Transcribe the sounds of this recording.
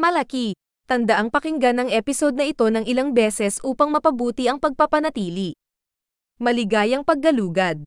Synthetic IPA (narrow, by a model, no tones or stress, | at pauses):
mɐlɐki | t̪ɐnd̪ɐʔaŋpɐkɪŋɡanɐŋʔɛpɪso̞d̪̚nɐʔɪt̪o̞nɐŋɪlaŋbɛːsɛsʔuːpɐŋmɐpɐbuːt̪iʔɐŋpɐɡ̚pɐpɐnɐt̪iːli | mɐlɪɡaːjɐŋpɐɡ̚ːɐluːɡɐd̪̚